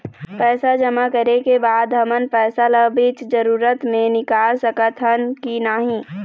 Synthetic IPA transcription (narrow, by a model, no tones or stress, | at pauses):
pɛːsad͡ʒɐmakəɾekebaːd̪ɦɐmənpɛːsaləbiːt͡ʃd͡ʒəɾuːɾət̪mẽnɪkaːlsɐkət̪ʰənkinaɦĩː